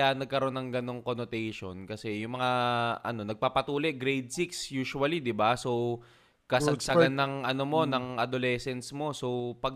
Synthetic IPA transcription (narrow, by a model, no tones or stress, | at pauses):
anːɐɡ̚kɐɾo̞nːɐŋɡɐno̞ŋkonot̪ɛjʃo̞nkɐsɛjʊŋmɐŋaʔɐ̰no̞nɐɡ̚paːpɐt̪uːlɛʔɡɾɛjd̪̚siksjuːʃuɐlid̪ɪbaso̞w | kɐsɐɡsɐɡanːɐŋʔɐno̞mo̞nɐŋʔɐd̪olɛːsɛnt̪smo̞so̞wpɐɡ̚